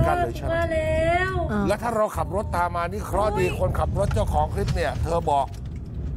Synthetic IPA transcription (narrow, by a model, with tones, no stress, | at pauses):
a˧˩˧aː˧˩lɛ˦˥wlɛː˦˥t̪ʰaː˥˩ɾa˧wkʰa˨˩p̚ɾo˦˥t̪ːaː˧mːaː˧niː˥˩kʰɾɔ˦˥˩diː˧kʰo˧nkʰa˨˩p̚ɾo˦˥t̪̚t͡ɕaː˥˩wkʰɔː˩˦ŋkʰɾi˦˥p̚ni˥˩ɐt̪ʰɤː˧bɔː˨˩k̚